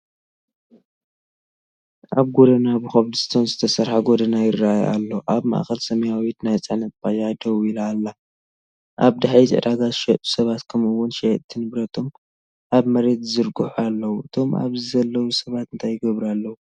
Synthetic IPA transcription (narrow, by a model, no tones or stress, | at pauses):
ʔaβɡo̞d̪ɐnabɨxɐβd̪ɨst̪ʰonzɨt̪ʰɐsɐɾħaɡod̪ɐnajɪrːaʔaja̰lːoʔaβma̰ʔxɐlsɐmɐjawit̪najt͡sʼɨħnɐt̪̚bajad̪ɐwuilːlːa | ʔaβd̪aħjizʼɨ̰ʕd̪aɡaʃɛt̪ʼu̥sɐβat̪kʰɐmɨwʊnʃett̪ʰɨnɨβɾɐt̪ʰo̞m | ʔaβmɐɾe̞t̪zɨɾɡɨħualːɐwuɨt̪ʰo̞ma̰βzɨzɐlːɐwusɐβat̪ɨnt̪ʰajːɪɡɐβɾalːɐwu